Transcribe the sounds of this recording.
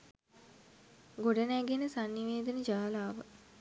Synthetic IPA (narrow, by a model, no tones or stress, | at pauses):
ɡoɖənæɡenəsanːiʋeːd̪ənəd͡ʒaːlaːʋə